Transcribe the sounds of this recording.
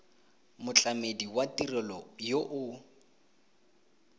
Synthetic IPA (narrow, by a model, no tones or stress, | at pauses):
mʊt͡ɬʼamediwatirɪlɔjoʔʊ